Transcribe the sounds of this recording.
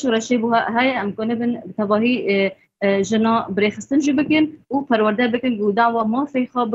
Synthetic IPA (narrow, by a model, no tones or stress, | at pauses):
ʃɾɛʃebuɦɛjɛʔɛmkonɨbɨnbt̪ʰɛbɑːɦi | ʒɨnɑːbɾeːxɨst̪ɨnʒibɨkɨnupʰɛɾwæɾd̪ɛbɨkɨnɡud̪aʕwɑːmɑːfexɑb